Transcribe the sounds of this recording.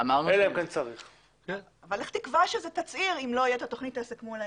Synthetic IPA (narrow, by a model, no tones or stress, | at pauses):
amaʁnueleemkant͡saʁiχ | ken | avaleχt̪ikvaʃezet̪at͡siʁimlo̞ajot̪at̪oχnit̪aesekmola